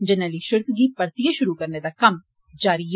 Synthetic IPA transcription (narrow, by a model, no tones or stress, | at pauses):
d͡ʒɪnaliʃɪɾkʰɡipɐɾt̪ijaʃʊɾukɐɾned̪akɐm | d͡ʒaːɾiɦ